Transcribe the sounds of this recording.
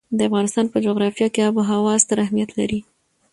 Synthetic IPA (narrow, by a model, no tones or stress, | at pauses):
d̪əafɣɑnɪst̪ɑnpəd͡ʒoɣɾɑfijɑkeaboɦawɑzt̪aɾahmijat̪laɾi